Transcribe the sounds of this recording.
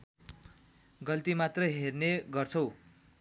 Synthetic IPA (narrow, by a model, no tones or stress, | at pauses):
ɡʌlt̪imat̪rʌɦerneɡʌrt͡sʰʌw